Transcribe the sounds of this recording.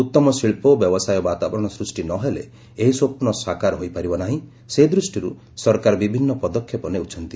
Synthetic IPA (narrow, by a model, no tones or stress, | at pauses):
ut̪ːɔmɔsiɭpobjɔbɔsajɔbat̪abɔɾɔɽ̃ɔsɾusʈinɔɦelḛ | eɦisopunɔsakaɾɦojpaɾibɔnaɦĩ | seid̪ɾusʈiɾṵ | sɔɾkaɾɔbibʱinːɔpɔd̪ɔkʰːjɔpɔneut͡ʃʰɔnt̪i